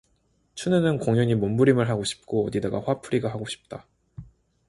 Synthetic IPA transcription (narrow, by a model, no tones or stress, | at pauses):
t͡ɕʰunɯnɯnkoŋjʌɲimombuɾimɯɭɦaɡoɕʰi̥p̚k͈oʌdidaɡaɸwapʰuɾiɡaɦaɡoɕʰi̥p̚t͈a